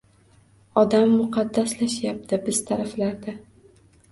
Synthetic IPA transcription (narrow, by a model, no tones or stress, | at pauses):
ɒd̪amːʊqʰɑd̪ːaslaʃjap̚t̪ʰɪbɪz̥t̪ʰaɾaflaɾd̪a